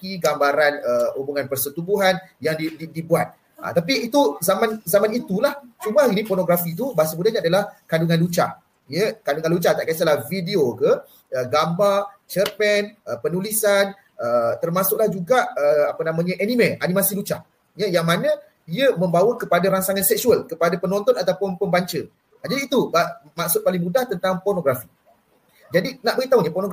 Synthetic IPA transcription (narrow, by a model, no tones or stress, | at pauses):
kiɡambaɾanəubuŋãnpərsət̪ubuɦanjaŋdididibuat̪̚ | a̰t̪apiːt̪uzamãnzamanit̪ulaht͡ʃumainĩpɔrnõɡɾafit̪ubasəbudaɲadalahkanduŋãnlut͡ʃa̰ | jəkanduŋanlut͡ʃat̪a̰ʔkasalahfideokə | əɡambart͡ʃərpɛnəpənulisan | ət̪ərmãsʊk̚lahd͡ʒuɡaʔəapənãmãɲəʔɛnĩmɛ̃ʔanĩmãsilut͡ʃa | jəjaŋmanə̃ | iəmə̃mbawəkəpadaɾaŋsaŋansɛk̚suəlkəpadapənɔ̃nt̪ɔnat̪aupʊnpəmbaɲt͡ʃə | ad͡ʒadiːt̪ubamak̚sʊt̪̚palɪŋmudaht̪ənt̪aŋpɔrnõɡɾafi | d͡ʒadinaʔ̚bəɡit̪aɦuɲəpɔrnoɡ